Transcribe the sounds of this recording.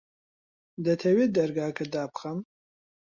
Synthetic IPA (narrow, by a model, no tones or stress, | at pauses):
d̪ɐt̪ʰɐwed̪ɐɾɡaːkʰɐd̪aːpxɐm